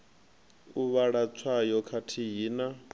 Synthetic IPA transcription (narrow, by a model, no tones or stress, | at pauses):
uβaɺat͡sʰwajɔkʰatʰiɦiːna